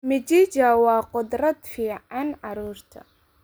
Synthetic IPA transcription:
mɪd͡ʒiːd͡ʒɐwɑːqʊd̪rɐd̪fiːʕɑnʕɑɾuːrt̪ʰɐ̰

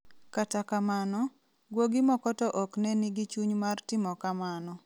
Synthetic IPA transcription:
katakamanɔ | ɡwoɡɪmɔkɔtɔʔɔknɛnɪɡɪt͡ʃuɲmartɪmɔkamanɔ

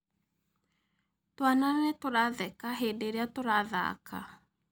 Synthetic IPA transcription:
twanaɾɾɛtoɾaðɛkaɦeːndeːɾeatoɾaða̰kʰa̰

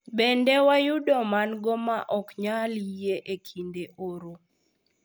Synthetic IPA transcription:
bendɛwajudɔmanɡɔmaʔɔkɲaljeʔekʰindeʔoɾo

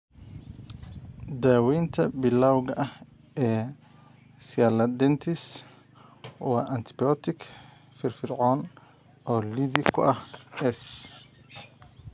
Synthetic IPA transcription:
d̪aːwiːnt̪ʰɐbɪlaːwɣɐʔɐh | ʔɛː | sɪaːlɐd̪ɛnt̪ʰɪs | wa̰ːʔɐnt̪ʰɪ̥biɔːt̪ʰɪkʰ | fɪrfɪrʕɔːn | ʔɔːliðɪkʰʊ̰ʔɐhɛs

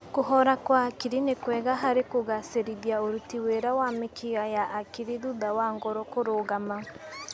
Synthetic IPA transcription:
koɦɔɾakwakiɾinekwɛːɣaɦaɾekoɣaseɾiðjaoɾutiweɾawamekiɣajaʔːkiɾiðuðawaːŋɡɔɾɔkoɾoːɣama

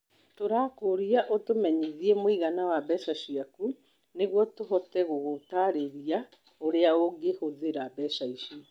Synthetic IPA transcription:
toɾaːkoɾiaʔotomɛɲiðiɛmoiɣanawabɛsaɕiaku | neɣwɔtoɦɔtɛɣoɣotaɾeɾia | oɾeaoɡehoðeɾabɛsaiʃiɔ

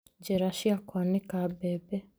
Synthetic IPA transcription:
ɟeɾaʃjakwanikabebe

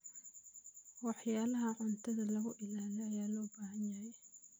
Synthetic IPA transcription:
wɑħjaːlɐɦɐʕʊnt̪ʰɐðɐlɐɣʊʔɪlaːlɛɐjaːlɔːbaːhɐnjɐhɛj

